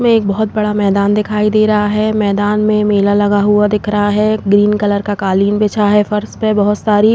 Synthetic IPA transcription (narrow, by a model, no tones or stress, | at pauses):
mẽeːk̚bɐɦʊt̪̚bɐɽamɛːd̪aːnd̪ɪkʰaːid̪eːɾɐɦaɦɛmɛːd̪aːnmẽmeːlalɐɡaɦuad̪ɪkʰɾɐɦaɦɛɡɾiːnkɐləɾkakaːliːnbeːt͡ʃʰaɦɛfɐɾspebɐɦʊt̪saːɾi